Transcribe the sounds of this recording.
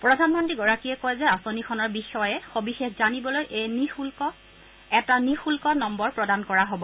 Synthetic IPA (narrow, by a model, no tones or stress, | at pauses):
pɹɔdʱanmɔntɹiɡɔɹakiɛkojzɛasonikʰɔnɔɹbixɔjɛxobixexzanibɔlojʔejnixulkɔ | ɛtanixulkɔnɔmbɔɹpɹɔdankɔɹaɦobɔ